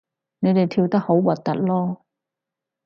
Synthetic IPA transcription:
ne˨˧jt̪e˨jt̪ʰiː˧wt̪ɐ˥k̚ho˨˥wwɐ˨t̚t̪ːɐ̰˥t̚lɔː˥

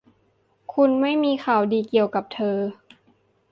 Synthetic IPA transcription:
kʰu˧nma˥˩jmiː˧xʰa˨˩wdiː˧ki˨˩əwka˨˩p̚t̪ʰɤː˧

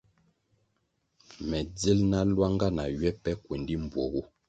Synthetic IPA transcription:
mɛ˨d͡zi˦lna˦lwa˦ŋɡa˦na˨ɥɥɛ˦pɛ˦kwe˨ndi˦m̩˨bwɔ˨wo˦

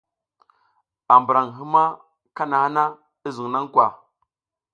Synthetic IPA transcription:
a˨m˨bə˨ɾa˨ŋɦi˦ma˦ | ka˦na˨ha˦na˦ | i˦zu˨ŋna˦ŋ˦kʷwa˨

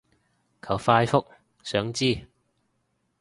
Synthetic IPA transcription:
kʰɐ˨˩wfaː˧jfʊ˥k̚ | sœː˨˥ŋt͡siː˥˩

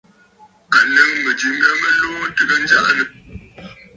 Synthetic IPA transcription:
a˨nə˦ŋmə˨d͡ʒi˨ŋ̩˦ɡa˦mə˦loː˦tə˦ɡə˦n̩˦d͡ʒa̰˦ʔnə˨

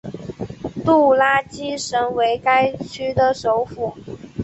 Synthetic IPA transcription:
t̪u˥˩la˥t͡ɕi˥ʂə˧˥ŋwe˧˥ɪka˥ɪt͡ɕʰy˥d̪ə˨ʂo˧˥ʊfu˨˩˦

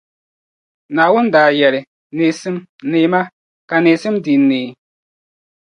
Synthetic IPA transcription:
naː˨wʊ˦n˦daː˨jɛ˨lɪ˨ | neː˨sɨ˦mneː˨˦ma˦ | ka˨neː˨sɨ˦mdi˨nːeː˨

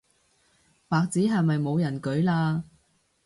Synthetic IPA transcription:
paː˨k̚t͡siː˨˥ɦɐ˨˩jmɐ˨jmo˨˧wjɐ˨˩nkɵ˨˥ɥlaː˧

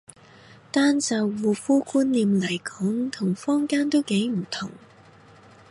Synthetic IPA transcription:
t̪aː˥nsɐ˨˧wwuː˨˧fuː˥kuː˥nliː˨mlɐ˨˩jkɔː˨˥ŋt̪ʰʊ˨˩ŋfɔː˥ŋkaː˥nt̪o˥wke˨˥jm̩˨˩t̪ʰʊ˨˩ŋ

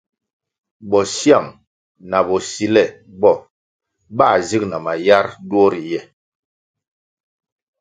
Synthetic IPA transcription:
bɔ˨sja˦˨ŋ | na˨bɔ˨si˨lɛ˦˨ | bɔ˦˨ | ba˦˨zi˦k̚na˨ma˨ja˦ɾdwɔ˦ɾi˨jɛ˦˨

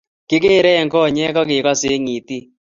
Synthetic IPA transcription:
kɪ˦k̬e˦˨ɾɛ˦ɛ˨ŋɡɔ˦˨ɲɛ˦kɔ˦k̬ɪ˨kɔ˦sɪ˦ŋi˨ti˦

